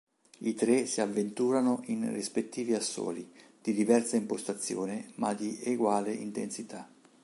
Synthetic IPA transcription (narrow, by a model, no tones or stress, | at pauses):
it̪ɾesiavːent̪uːɾanoʔinrispet̪ːiːviasːo̰ːlid̪̥id̪ivɛrsaimpost̪at̪sːjoːnɪmad̪iʔeɡwaːleint̪ensit̪a